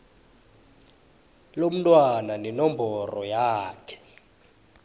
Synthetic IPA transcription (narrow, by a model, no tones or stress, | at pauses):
lom̩tʼwananinɔmbʱɔrɔjaːkʰɛ̥